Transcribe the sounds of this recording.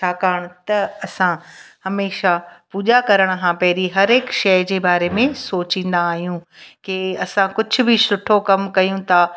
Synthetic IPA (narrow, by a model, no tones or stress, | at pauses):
t͡ɕʰaːkaːɽ̃t̪ɐɐsãhɐmeːʃapuːʄakɐɾəɽ̃ɦʰãːpɐɦɪɾiɦɐɾeːkʃɐjd͡ʑeːbaːɾemẽsoːt͡ɕĩːn̆d̪aːɦijũkɪɐsãkʊd͡ʑʱʊ̆bʱɪsʊʈʰokɐmkɐjũt̪ʰaː